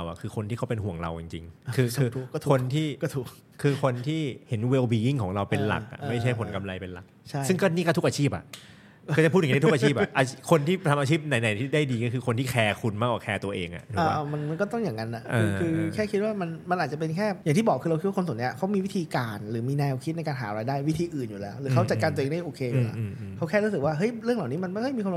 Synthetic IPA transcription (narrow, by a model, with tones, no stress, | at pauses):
wʔa̰˨˩kʰɯː˧kʰo˧nʰiː˥˩kʰa˦wpe˧nhu˨˩əŋɾa̰˧wt͡ɕi˨˧ŋt͡ɕḭ˧ŋkʰɯː˧˩ɔ˥˩kʰo˧nt̪ʰiː˥˩ɔ˥˩t̪ʰ | kʰɯː˧kʰo˧nt̪ʰiː˥˩he˩˦nwe˧wbiː˧i˥˩ŋkʰɔː˩˦ŋɾa˧wpe˧nla̰˨˩k̚ʔa̰˨˩ʔma˥˩jt͡ɕʰa˥˩jpʰo˩˦nka˧mla˧jpe˧nla̰˨˩k̚t͡ɕʰa˥˩sjɯ˥˩ŋkɔː˥˩niː˥˩kɔː˥˩u˦˥kʔaː˧t͡ɕʰiː˥˩p̚ʔa̰˩ʔ | t͡ɕpʰːt̪ʰːt̪ʰʔaː˧˩t͡ɕʰiː˥˩p̚ʔʔʔaː˧˥kʰo˧nt̪ʰiː˥˩t̪ʰa˧maː˧t͡ɕi˥˩p̚na˨˩˦jna˨˩˦jt̪ʰiː˥˩da˥˩jdiː˧kɔː˥˩kʰɯː˧kʰo˧nt̪iː˥˩kʰɛː˧kʰu˧nmaː˥˩k̚waː˨˩kʰɛː˧t̪u˧ɐʔeː˧ŋʔa̰˨˩tʰuː˨˦˧aː˥˧˩ma˧nma˧nkɔː˥˩t̪ɔ˥˩ŋjaː˨˩ŋa˧˥nʔa˨˩ʔaɯ˧kʰɯː˧kʰɛː˥˩kʰi˦˥t̪̚waː˥˩ma˧nma˧nʔaː˨˩t̪̚t͡ɕa˨˩pe˧nkʰɛː˥˩ja˨˩ŋt̪iː˥˩bɔː˨˩kʰɯː˧ɾa˧wʰi˦˥waː˥˩o˧s̬ʰni˦˥a˨˩kʰa˦˥wmiː˧wi˦˥t̪ʰiː˧kaː˧nɾɯː˩˦miː˧nɛː˧wkʰi˦˥t̪̚na˧jkaː˧nɦaː˩˦ɾaː˧jdaː˥˩jwi˦˥t̪ʰiː˧ʔɯː˨˩njuː˨˩lɛː˦˥wɾɯː˩˦kʰa˦˥wt͡ɕa˨˩t̪̚ka˧t̪ʔeː˧ŋda˥˩jʔoː˧kʰeː˧ju˨˩la̰˨˩˧ | kʰa˦˥wkʰɛː˥˩ɾuː˦˥ɯ˨˩k̚waː˥˩ɦɤ˦˥jɾɯ˥˩əŋla˨˩wniː˦˥ma˧nma˥˩ha˥jmiː˧kʰa˧˦˥